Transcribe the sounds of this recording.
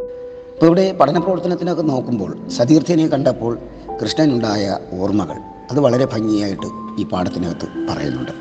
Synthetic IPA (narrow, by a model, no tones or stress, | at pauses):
ɐpːoiʋiɽe̞pɐʈʰɐnɐprɐʋɐrt̪ːɐnɐt̪ːino̞kːe̞no̞ːkːumbo̞̰ːɭsɐðiːrt̪ʰiɣnekɐɳɖɐpːo̞ːɭ | krɨʂɳɐinuɳɖaːjɐ̰oːrmɐɣɐ̰ɭ | ɐðɨʋɐɭɐɾe̞bʱɐŋːijaːjiʈːɨiːpaːɽɐt̪ːinoɐt̪ːɨpɐ̰rɐ̰jṵnːṵɳɖɨ